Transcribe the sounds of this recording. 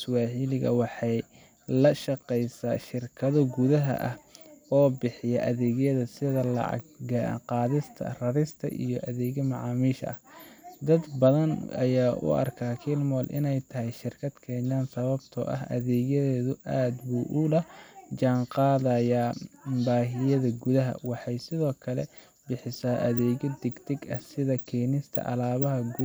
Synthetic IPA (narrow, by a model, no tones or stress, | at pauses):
swɑːħilɪɣɐ̰wɑħɑj | lɐʃɑqɛjsaːʃɪrkʰɐðɔɡʊðɐɦɐ̰ʔɐhɔːbɪħɪjɛʔɐðɛːɣjɐðɐsɪðɐlɑ̰ʕɑ̰ɡɡɐqɑːðɪst̪ʰɐ̰rɐɾɪst̪ʰɐ̰ʔḭjɔʔɐðɛːɣɐmɑʕɑːmiːʃɐ̰ɐhd̪ɐd̪bɐðɐnɐ̰jaːʔʊ̰ʔɐ̰rkʰaːkʰiːlmɔːlʔɪ̰nɛjt̪ʰɐhɛjʃɪrkʰɐd̪kʰɛnaːnsɐβɐbt̪ʰɔ̰ʔɐ̰ɦʔɐ̰ðɛːɣɐðɛːðʊʔaːd̪buːʔulɐhd͡ʒaːnqɑːðɐjaːbaːɦɪjɐðɐɡʊðɐɦɐ̰wɑħɑjsɪðɔːkʰɐlɛ | bɪħɪsaːʔɐðɛːɣɐd̪ɪɡt̪ʰɪɡɐhsɪðɐkʰɛːnɪst̪ʰɐ̰ʔɐlaːβɐɦɐɡ